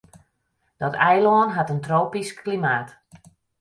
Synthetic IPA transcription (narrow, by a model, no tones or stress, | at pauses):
d̥ɔtʰɛjlɔːnɦatəntroːpisklimaːt